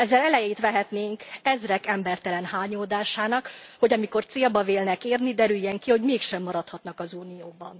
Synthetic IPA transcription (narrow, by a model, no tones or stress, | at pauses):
ɛzːɛlɛlɛjeːt̪ʋɛɦɛt̪neːŋkɛzrɛkɛmbɛrt̪ɛlɛnhaːɲoːd̪aːʃaːnɒkho̞ɟɒmiko̞rt̪seːlbɒveːlnɛkeːrnid̪ɛɾyjːɛŋkiho̞ɟmeːkʃɛmːɒɾɒt̪hɒt̪nɒkɒzuːnijoːbɒ̰n